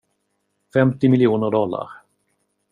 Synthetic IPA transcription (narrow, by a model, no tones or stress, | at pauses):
fɛmt̪ɪmɪljuːnəɾɖɔlːa̰ɾ